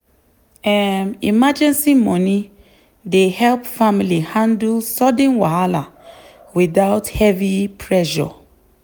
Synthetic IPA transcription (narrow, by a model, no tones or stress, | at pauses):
ɛmimad͡ʒɛ̃nsimɔni | dehɛlpfamilihãndulsɔdɛ̃nwaala | wiðaʊthɛvipʰɹɛʃɔ̰